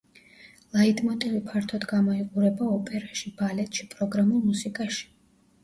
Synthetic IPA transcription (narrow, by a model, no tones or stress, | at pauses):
lˠaid̪ʼmɔt̪ʼɛvipʰaɾt̪ʰɔd̪ɡamɔiqʼuɾɛbaɔpʼɛɾaʃibalɛt̪ʼʃipʼɾɔɡɾamulˠmusikʼaʃi̥